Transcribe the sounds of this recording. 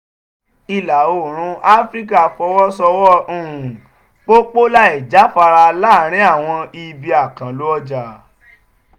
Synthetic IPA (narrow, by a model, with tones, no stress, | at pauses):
i˨la˨o˨ɾ̃ũ˨˧˦ʔa˦fɾi˦ka˦˨fɔ˧˦wɔ˦sɔ˧wɔ˦ũ˧˨ũ˨ | k͡po˦k͡po˦la˦i˨d͡ʒa˨˦fa˧ɾa˧la˦˨ɾ̃ĩ˨˦a˦˨w̃ɔ̃˧i˧bi˧a˨kã˨lo˨˦ɔ˧d͡ʒa˨